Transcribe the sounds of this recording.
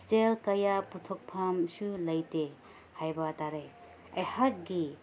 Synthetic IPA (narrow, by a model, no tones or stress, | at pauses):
stelkɐjaputʰɔk̚pʰamsulɐjte | hajbataɾe | ajhat̚ɡi